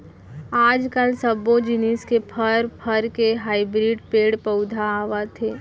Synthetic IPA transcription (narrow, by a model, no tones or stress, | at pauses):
aːd͡ʒkəlsɐbõd͡ʒɪniskepʰəɾpʰəɾkeɦaːɪbɾiːɖpeːɽpɐʊd̪ʱaːʋat̪ʰeː